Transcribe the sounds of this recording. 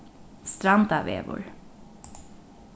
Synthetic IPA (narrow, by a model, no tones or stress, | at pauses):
st̪ɾɑnd̪ɑʋḛːʋʊ̰ɹ